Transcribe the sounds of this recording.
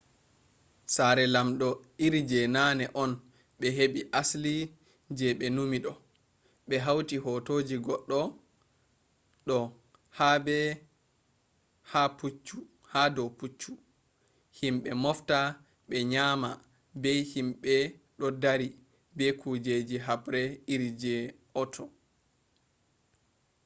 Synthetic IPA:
saɾɛlamɗɔiɾd͡ʒɛnaːnɛʔɔn | ɓɛɦeɓiʔasli | d͡ʒɛɓɛnumiɗɔ | ɓɛɦawtihɔtoːd͡ʒiɡɔɗːɔ | ɗɔ | habɛ | haput͡ʃːu | hadɔwput͡ʃːu | himɓɛmɔfta | ɓɛɲama | bɛjhimɓɛɗɔdaɾi | bɛkud͡ʒed͡ʒiɦapɾɛiɾd͡ʒɛ | ɔtʰɔ

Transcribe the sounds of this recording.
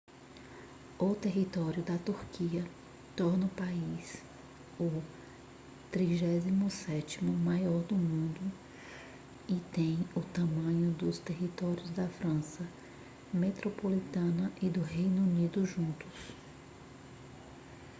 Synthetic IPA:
ʊt̪eɦit̪ɔɾjʊd̪ɐt̪uɾkiɐ | t̪ɔɾnʊpais | ʊ | t̪ɾiʒɛzimʊsɛt͡ʃimʊmajɔɾd̪ʊmũd̪ʊ | ɪt̪ẽj̃ʊt̪ɐ̃mɐ̃ɲʊd̪ʊst̪eɦit̪ɔɾjʊzd̪ɐfɾɐ̃sɐ | met̪ɾopolit̪ɐ̃nɐʔɪd̪ʊɦejnʊunid̪ʊʒũnt̪ʊ̥s

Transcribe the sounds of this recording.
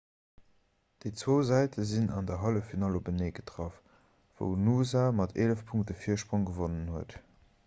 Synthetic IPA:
d̥eːt͡svoːzæɪtʰəzinɑ̰ndɐɦɑləfinɑlobəneːɡətʁɑf | v̥o̰ʊnuːzaːmɑtʰeːləfpʰuŋk̚təfiːɐʃpʁoŋɡəvonənhuət

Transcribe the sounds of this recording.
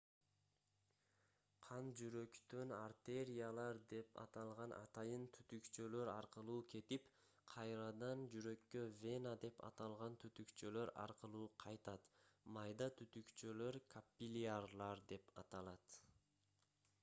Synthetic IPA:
qʰɑnd͡ʒyɾøkt̪ø̞nart̪e̞ɾʲijalˠɑɾd̪e̞pɑ̰t̪ɑlˠʁɑnʔɑ̰t̪ɑjɯnt̪ʰyt̪ykt͡ʃøløɾɑɾqɯlˠuːkʰe̞t̪ip | qʰɑjɾɑd̪ɑnd͡ʒyɾø̞kːø̞vʲe̞nad̪e̞pɑ̰t̪ɑlˠʁɑnt̪ʰyt̪ykt͡ʃølø̞ɾɑ̰ɾqɯlˠuːqʰɑjt̪ɑt̪mɑjd̪ɑt̪ʰyt̪ykt͡ʃølø̞ɾkʰapʲːilʲiarlˠɑɾd̪e̞pɑt̪ɑlˠɑt̪

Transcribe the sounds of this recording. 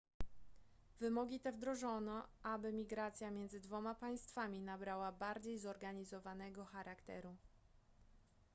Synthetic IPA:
vɘmɔɡʲit̪ɛvd̪ɾɔʐɔnɔʔabɘmʲiɡɾat̪sʲjamʲjɛnd̪zɘd̪vɔmapaj̃st̪famʲinabɾawabaɾd͡ʑejzɔɾɡaɲizɔvanɛɡɔxaɾakt̪ɛɾu

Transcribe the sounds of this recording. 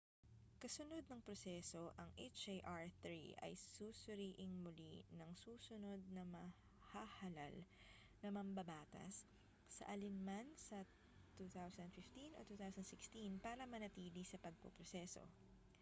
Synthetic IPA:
kɐsʊno̞d̪̚nɐŋpɾosɛːso̞ʔɐŋʔet͡ʃʔejʔaɹθɹḭɐ̰jsusʊɾiːʔɪŋmʊlinɐŋsuːsʊno̞d̪̚nɐmɐ | hahɐla̰l | nɐmɐmbɐbaːt̪ɐ̰sː | ɐ̰ʔɐlɪnmansɐ | t̪uːθawsɐnd̪fɪft̪inʔot̪uːt̪awsɐnd̪sɪkst̪inpaːɾɐmɐnɐt̪iːlisɐpɐɡ̚popɾosɛso̞̰

